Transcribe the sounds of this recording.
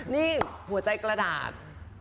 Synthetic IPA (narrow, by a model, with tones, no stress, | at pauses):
niː˥˩hu˨˩˦ɐt͡ɕa˧jkɾa˧da̰ː˨˩t̪̚